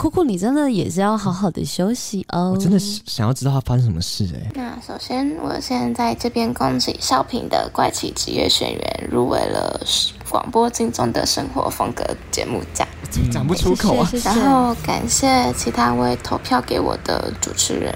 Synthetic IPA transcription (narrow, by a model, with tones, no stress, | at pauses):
kʰu˥kʰu˥˩ni˨˩ʈ͡ʂə˥nd̪ə˨jɛ˨˩ʂɻ̩˥˧jɑ˥˩ʊxɑ˧˥ʊxɑ˨˩d̪ə̰˦ɕjo˥ʊɕi˨˩ɔ˥˧˨ə˦˥nd̪ə˨ɕɑ˨ŋjɑ˥˩ʊʈ͡ʂɻ̩˥t̪ɑ˥˩tʰa˥fa˥ʂə˥ʂə˧˥mə˧ʂɻ̩˥˩ḛ˨˩na˥˩ʂo˨˩ʊɕjɛ˥nwɔ̰˨˩ɕjɛ˥˧nt͡sa˥˧ɪʈ͡ʂɤ˥˧pjɛ˥nkɑ˥ŋt͡ɕi˧˨˩ɕjɑ˥˩ʊpʰi˨˩nd̪ə˧kwa˥˧ɪt͡ɕʰḭ˨˩t͡ɕḭ˧˥ɥɛ̰˥˩ɕɥɛ̰˨˩nɥɛ̰˧˥nɻṵ˥˩we˨˩ɪlə˧kwɑ̰˨˩ŋpwɔ˥t͡ɕi˥ŋt͡sʊ˥˩ŋd̪ə˨ʂɤ˥ŋxwɔ˧˥fɤ˥ŋkɤ˧˥t͡ɕjɛ̰˧˥mu˥˩t͡ɕja˨˩˧t͡ɕa˨˩pu˥˩tʰu˧˥kʰo˨˦˥ɻa˧˥n˥xo˥˩˧ʊka̰˨˩nɕjɛ˥˩t͡ɕʰi˧˥t̪ʰa˥we˥˩ɪt̪ʰo˧˥ʊpʰjɑ˥˩ʊke˧˥ɪwɔ̰˨˩d̪̥ə̰˧ʈ͡ʂṵ˨˩ʈ͡ʂʰɻ̩˧˥ɻə̰˧˥˦n